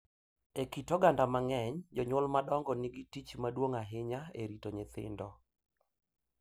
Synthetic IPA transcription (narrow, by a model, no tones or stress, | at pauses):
ekitɔɡandamaŋɛɲd͡ʒɔɲʊlmadɔŋɡɔnɪɡitit͡ʃmadwoŋaɦɪɲaeɾitoɲɪt̪ɪ̰ndɔ